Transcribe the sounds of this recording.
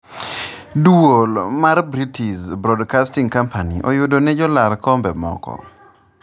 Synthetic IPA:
duolmarbɾitʰiʃbɾɔdkastiŋkampʰaniʔɔjʊdonɛd͡ʒɔlaɾkɔmbɛmɔ̰kɔ̰

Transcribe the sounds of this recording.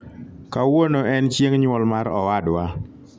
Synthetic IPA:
kawonoɛnt͡ʃjeŋɲwɔlmaɾɔwadwa

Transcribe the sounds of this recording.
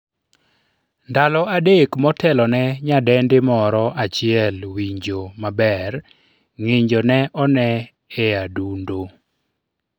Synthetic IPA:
ndalɔadekmɔtʰɛlɔnɛɲadɛndɪmɔɾɔʔat͡ʃɪɛlwiɲd͡ʒomabɛr | ŋeɲd͡ʒonɛʔɔnɛ | ɛadundo

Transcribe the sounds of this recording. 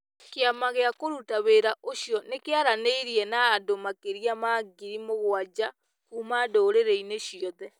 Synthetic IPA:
keamaɣeakoɾutaβeːɾaʔoʃjɔnekeaɾaneiɾiɛnaːdomakeɾiamaːɡiɾimoɣwad͡ʑa | kuːmadoːɾeɾɛineʃjɔðɛ

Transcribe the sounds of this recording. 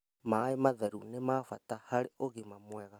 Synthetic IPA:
maemaðaɾunemaːfatahaɾeoɣemamwɛɣa

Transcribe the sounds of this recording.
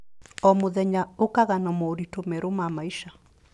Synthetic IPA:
ɔmoðɛɲaokaɣanɔmɔoɾitomɛɾomamaiʃa

